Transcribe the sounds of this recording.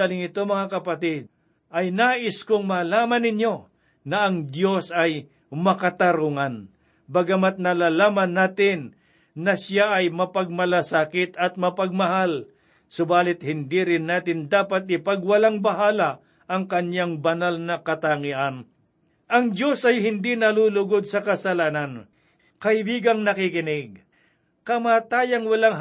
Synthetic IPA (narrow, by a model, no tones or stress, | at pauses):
alɪŋɪt̪omɐŋakɐpɐt̪ɪd̪̚ | ʔɐjnaːʔɪskʊŋmalaːmɐnːɪɲjo̞ | nɐʔɐŋd̪jo̞sɐj | mɐkat̪ɐɾuŋan | bɐɡamat̪̚nɐlaːlaːmɐnːaːt̪ɪnː | ɐsjaʔɐjmɐpɐɡ̚mɐlasaːkɪt̪ɐt̪̚mɐpɐɡ̚mɐɦal | sʊbaːlɪt̪̚hɪnd̪iɾɪnːaːt̪ɪnd̪aːpɐt̪̚ɪpɐɡwɐlaŋbɐɦaːlɐ | ʔɐŋkɐɲaŋbɐnalnɐkɐt̪aŋɪʔan | ʔɐŋd͡ʒo̞sɐjhɪnd̪inɐlulʊɡod̪̚sɐkɐsɐlaːnɐn | kɐʔɪbiːɡɐŋnɐkɪkɪnɪɡ̚ | kɐmaːt̪aːjɐŋwɐlaŋ